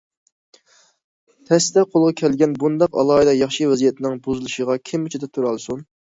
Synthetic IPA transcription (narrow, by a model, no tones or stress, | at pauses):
t̪ʰɛsd̪ɛqʰolˠʁɑkʲʰɛlɡʲɛnbund̪ɑqɑ̰lˠɑːid̪ɑjɑχʃiwɛzijɛt̪ʰɪnɪŋbozɨlˠɨʃəʁɑkʲʰɪmyt͡ʃʰid̪ɛt̪ʰuɾɑlˠsun